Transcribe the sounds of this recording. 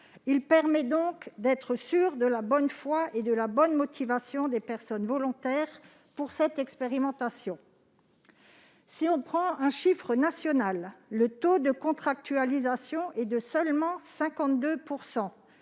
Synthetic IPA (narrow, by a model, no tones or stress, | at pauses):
ilpɛʁmɛd̪ɔ̃kd̪ɛt̪χəsyʁd̪əlabɔnfwaʔed̪əlabɔnmɔt̪ʰivasjɔ̃d̪epɛʁsɔnvɔlɔ̃t̪ɛʁ | puʁsɛt̪ɛkspeʁimɑ̃t̪asjɔ̃ | siɔ̃pχɑ̃ɛ̃ʃifχənasjɔnalːət̪od̪əkɔ̃t̪χak̚t̪yalizasjɔ̃ʔɛd̪əsœlmɑ̃sɛ̃kɑ̃t̪̚d̪øpuʁsɑ̃